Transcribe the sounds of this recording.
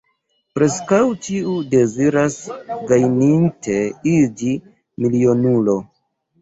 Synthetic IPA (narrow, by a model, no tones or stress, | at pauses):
pɾe̞skawtiude̞ziɾasɡajnintʰe̞id͡ʒi | milio̞nulo̞